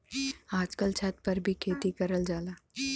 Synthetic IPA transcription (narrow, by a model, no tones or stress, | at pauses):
aːd͡ʒkəlt͡ʃʰat̪̚pəɾbʱikʰeːt̪ikəɾəld͡ʒaːlaː